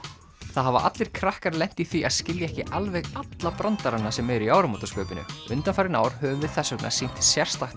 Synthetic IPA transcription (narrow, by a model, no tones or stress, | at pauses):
θaðhava̰ʔa̰t̪lɪɾ̥kʰɾahkaɾlɛn̥t̪iθiʔaðscɪljaɛhcɪʔalvɛɣat̪lapɾɔnt̪aɾanːasɛmɛɾʏiaːwɾʏmɔt̪ḁskœːpɪnʏ̰ʏnt̪anfajɾɪnaːwɾ̥hœvʏmvɪð̥θɛsːœkna̰̥sijn̥t̪sjɛr̥st̪laxt̪